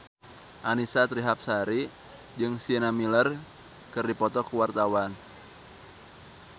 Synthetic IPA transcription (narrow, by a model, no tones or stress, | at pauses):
ʔanisat̪ɾiɦap̚saɾi | d͡ʒɨŋsiənamilər | kɨrdipɔt̪ɔkuwart̪awan